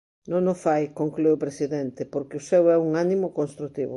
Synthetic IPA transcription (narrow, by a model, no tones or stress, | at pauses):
nõnofajkoŋklejʊpɾesiðɛnt̪ɪpoɾkɪʊsɛwɛuŋanimʊkonst̪ɾut̪iβʊ̰